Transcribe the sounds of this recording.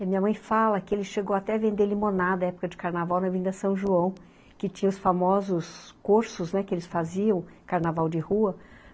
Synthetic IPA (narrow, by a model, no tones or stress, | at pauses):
mĩɲɐmɐ̃j̃falɐkɪelɪʃeɡowat̪ɛɐvẽnd̪elimõnad̪ɐɛpʊ̥kɐd͡ʒɪkaɾnavawnɐvĩnd̪ɐsɐ̃w̃ʒuɐ̃w̃ | kɪt͡ʃĩɲɐʊsfamɔzʊskoɾsʊznɛkɪelɪsfaziɐ̃w̃kaɾnavawd͡ʒɪhuɐ